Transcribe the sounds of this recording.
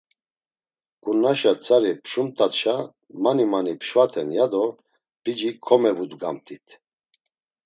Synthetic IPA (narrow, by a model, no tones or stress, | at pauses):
kʼunaʃat͡sʰʼaɾipʰʃumt̪ʼat̪ʃa | manimanipʰʃvat̪ʰɛnjad̪ɔ | b̥id͡ʒikʰɔmɛvud̪ɡa̰mt̪ʰʼit̪ʰ